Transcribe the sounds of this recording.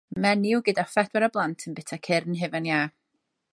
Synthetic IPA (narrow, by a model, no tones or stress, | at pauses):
mɛnɪwɡɨdafɛd̥wɛɾəblˠantʰənbɪtʰakʰɪrnɦɪvənjaː